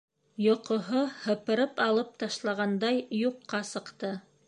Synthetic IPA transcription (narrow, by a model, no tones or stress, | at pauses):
jŏqŏɦohɤ̆pɤ̆ɾɤpɑlˠɤp̚t̪ɑʃlˠɑʁɑnd̪ɑjjuqːɑsɤ̆qt̪ɤ